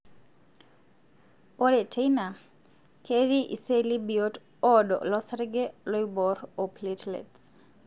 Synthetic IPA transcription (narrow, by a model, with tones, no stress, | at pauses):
o˦ɾe˨tʰe˦jna˨ | kʰe˦ɾi˦ʔḭ˨se˦li˦bi˨o˦t | ɔ˦dɔ̰˨lɔ˦sɾɡe˦lɔ˦jbɔ˨ɾo˨ple˦tlḛts